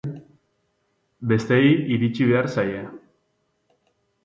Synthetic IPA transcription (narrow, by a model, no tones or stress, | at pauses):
be̞st̪eejiɾit͡ʃiβe̞aɾsaje